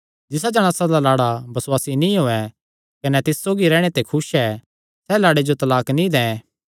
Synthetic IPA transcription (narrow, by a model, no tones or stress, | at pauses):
d͡ʒɪs̬ad͡ʒɐɽ̃ãːsad̪alaːɽabɐswaːsinĩɦoːɛ | kɐnɛt̪ɪssoːɡiɾɛːɽ̃et̪ekʰʊsɛː | sɛlaːɽed͡ʒot̪ɐlaːknĩd̪ɛ̃